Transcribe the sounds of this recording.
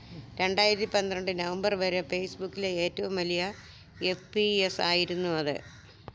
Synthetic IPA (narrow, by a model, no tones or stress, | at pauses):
ɾe̞ɳɖaːjiɾɐt̪ːipɐnd̪ɾɐɳɖɨnɐʋɐmbɐrʋɐɾɨfe̞ːsbukːileeːtːɐʋumʋɐlijɐ | e̞fpiesaːjiɾunːuɐðɨ̰